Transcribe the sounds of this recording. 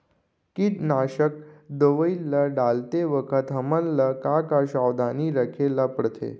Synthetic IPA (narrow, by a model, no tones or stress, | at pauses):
kit̪naɕək̚d̪əʋəilːəɖalt̪eʋəkʰət̪ɦəmənːəkakaɕawd̪aniːɾəkʰelːapəɽt̪ʰḛ